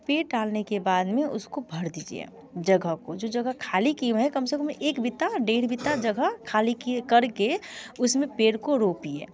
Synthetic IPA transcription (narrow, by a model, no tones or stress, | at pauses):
peːʈɖaːlnekebaːd̪mẽʊ̰skobʱəɾd̪iːd͡ʒḭḛ | d͡ʒəɡʱəɦkod͡ʒod͡ʒəɡəkʰaːlikimɦɛ̃kəmsekəmeʔeːkbɪt̪aɖeːɾbit̪ad͡ʒəɡʱəɦkʰaːlikkəɾkeʊsmẽpeːɽkoɾopiḛː